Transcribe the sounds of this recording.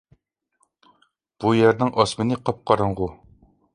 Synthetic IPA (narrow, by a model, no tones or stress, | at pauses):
b̥ujɛɾnɪŋʔɑsmɨnɪqʰɑp̚qʰɑɾɨɴʁu